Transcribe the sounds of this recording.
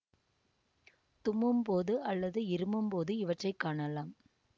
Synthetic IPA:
t̪ʊmɯmpoːðɯʔɐlːɐðɯɪɾɯmɯmpoːðɯɪʋɐʈrɐɪkːaːɳɐlaːm

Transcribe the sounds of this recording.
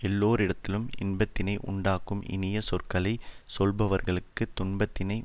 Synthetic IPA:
ɛlːoːɾɪɽɐt̪ːɪlɯmɪnbɐt̪ːɪnɐɪʔʊ̰ɳɖaːkɯmʔɪ̰nɪjɐsɔrkɐlɐɪsɔlbɐʋɐɾɣɐɭɯkːɯt̪ːʊɳbɐt̪ːɪnɐɪ

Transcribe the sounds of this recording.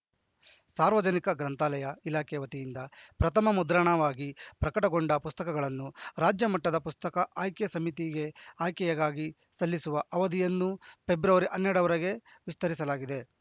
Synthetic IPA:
saːɾʋɐd͡ʒɐnikɐɡɾɐnt̪aːlɐjɐilaːkɛjɐʋɐt̪ijind̪ɐpɾɐt̪ʰɐmɐmud̪ɾaɳɐʋaːɡipɾɐkɐʈɐɡoɳɖɐpust̪ɐkɐɡɐɭɐnːuɾaːd͡ʒjɐmɐʈːɐd̪ɐpust̪ɐkɐʔaːjkesɐmit̪iɡe̞aːjkɛjɐɡaːɡi | sɐlːisuʋɐʔɐʋɐd̪ijɐnːupe̞bɾɐʋɐɾiʔɐnːɛɽɐʋɐɾɐɡe̞ʋist̪ɐɾisɐlaːɡid̪e̞

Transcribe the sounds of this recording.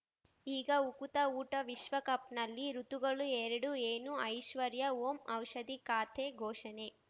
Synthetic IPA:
iːɡɐukut̪ɐuːʈɐʋiʃʋɐkɐpnɐlːiɾut̪uɡɐɭuɛɾɐɽueːnuɐjʃʋɐɾjɐoːmɐwʃɐd̪ikaːt̪ʰeɡʱoːʃɐne

